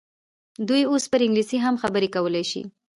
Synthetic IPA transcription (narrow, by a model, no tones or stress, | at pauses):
d̪ujospəɾɪŋɡlisiɦamxabəɾekawəlajʃḭ